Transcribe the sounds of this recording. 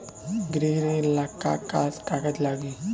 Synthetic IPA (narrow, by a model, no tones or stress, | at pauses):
ɡɾeːɾẽlakːa̰kaːskakət̪laːɡi